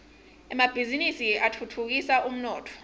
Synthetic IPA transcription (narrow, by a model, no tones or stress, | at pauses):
ɛmab̥ʱizinisiatʰutʰuk̬isaum̩nɔːtʰɔ̥